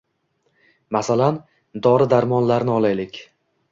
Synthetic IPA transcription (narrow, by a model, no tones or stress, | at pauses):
masalan | d̪ɒɾɪd̪aɾmɒnlaɾnɪɒlajlɪkʲ